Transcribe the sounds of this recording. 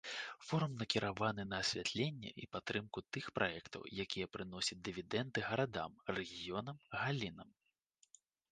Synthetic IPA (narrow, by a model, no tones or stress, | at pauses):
fɔɾumnɐkʲiɾʔavanɨnɐːsʲvʲat̪lʲenʲːɛ̰ʔipat̪ːɾɨmkut̪ɨxpɾʔajɛkt̪ɐ̰wjakʲijɛpɾɨnɔsʲɐt͡s̚ʲd̪ɨvʲid̪ɛnd̪ɨɣɐɾad̪a̰mrɛɣʲijɔnɐmɣalʲinɐm